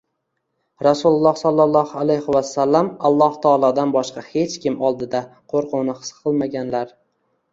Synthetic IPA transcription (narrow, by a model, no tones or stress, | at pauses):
ɾasulˠʊlˠːɑhsɒlˠːɑlˠːɒhalejhɪwasːalːamɑlˠːɒht̪ʰɒːlˠɒd̪anbɒʃqɑhe̞t͡ʃkʲɪmɒlˠd̪ɪd̪aqʰoɾqʰʊwnɪχɨ̥sqʰɨlˠmaɡʲanlaɾ